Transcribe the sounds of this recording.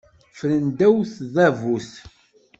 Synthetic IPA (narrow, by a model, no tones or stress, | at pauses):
fələnd̪æwθðævuθ